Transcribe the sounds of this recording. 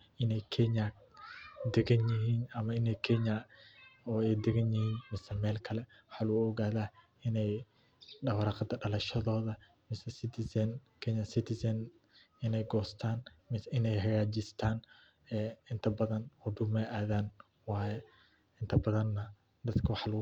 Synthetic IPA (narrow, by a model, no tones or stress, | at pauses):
ʔɪnɛjkʰɛɲa | d̪ɛɣɐnjɪɦiːnɐmɐɪnɛjkʰɛɲa | ɔːɛjd̪ɛɣɐnjɪhiːnmɪsɛmɛːlkʰɐlɛ | wħaːluɔɣaːðaː | ɪnɛj | ɖɐwɾɑqɑd̪ɐɖɐlɐʃɐðɔːðɐ | mɪsɛsɪt̪ʰɪsɐnkʰɛɲɐsɪt̪ʰɪsɐn | ɪnɛjɡɔːst̪ʰaːn | mɪnɛjɦɐɣaːd͡ʒɪst̪ʰaːn | ɛːɪnt̪ʰɐbɐðɐnɔɖ̪ʊmɛʔaːðaːn | wɑːjɛ | ɪnt̪ʰɐbɐðɐnːɐ | d̪ɐd̪kʰɐwɑħl